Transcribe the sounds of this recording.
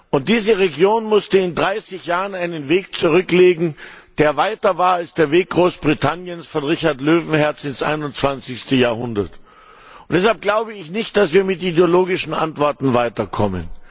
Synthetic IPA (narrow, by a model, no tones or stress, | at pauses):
ʔʊnt̚d̥iːzəʁeɡjoːnmʊstəɪndʁaɪsɪçjaːʁənaɪnənveːk̚t͡suʁ̞ʏkleːɡŋ̩d̥eːɐvaɪtɐvaːɐalsd̥eːɐveːk̚ɡ̥ʁoːsb̥ʁitʰanjənsfɔnʁɪçaɐtløːvn̩hɛɐt͡sɪnsʔa̰ɪnʊnt͡sv̥ant͡sɪçstəjaːɐhʊndɐt | ʊntd̥ɛshalp̚ɡ̥laʊbəɪçnɪçt̚d̥asv̥iːɐmɪtideoloːɡɪʃn̩a̰ntv̥ɔɐtn̩vaɪtɐkʰɔmə̰n